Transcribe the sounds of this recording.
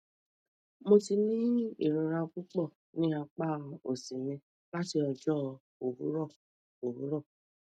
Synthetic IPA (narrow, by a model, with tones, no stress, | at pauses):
mo˧ti˧nĩ˦ḭ˨ɾũ˨ɾa˧ku˦k͡pɔ˦˨ | nĩ˦a˧k͡pa˦o˨si˨ɲẽ˧ | la˦ti˧ɔ˧d͡ʒɔ˦ | o˨ɾu˦ɾɔ˦˨ | o˨ɾu˦ɾɔ˦˨